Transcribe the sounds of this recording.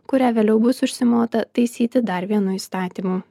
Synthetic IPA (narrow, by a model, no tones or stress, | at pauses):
kʊɾʲæːʋʲeːlʲɛʊbʊsʊʃʲsʲɪmoːt̪ɐt̪ɐɪsʲiːt̪ʲɪd̪ɐɾʋʲiɛnʊiːst̪ɑːt̪ʲiːmuː